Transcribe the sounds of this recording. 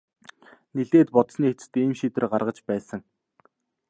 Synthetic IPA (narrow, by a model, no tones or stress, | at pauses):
niɮeːt̪pɔt̪sniːxet͡sɘ̥̆t̪iːmʃit̪ɘ̆rɢarʁə̆t͡ɕpæːsə̆ŋ